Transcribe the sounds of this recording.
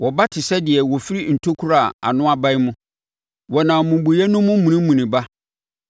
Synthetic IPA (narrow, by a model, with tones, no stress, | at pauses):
wɔ˨ba˦tʰɪ˨sɛ˦dɪ˨ɛ˨wɔ˨fi˦ɾi˦n̩˨tʰo˦kʰu˦ɾa˨a̰˨nʊ̃˦a˦ba˦ɪ˦mʊ̃˦ | wɔ˨nã˨mũ˨mbu˨jɛ˦nʊ̃˦mːʊ̃˦m̩˦mũ˨nĩ˦mũ˨nĩ˨ba˦